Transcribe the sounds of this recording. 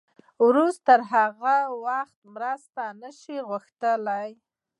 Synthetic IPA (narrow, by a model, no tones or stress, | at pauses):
wɾust̪t̪əɾɦaɣawaxt̪mɾast̪anəʃiɣʊxt̪əlaj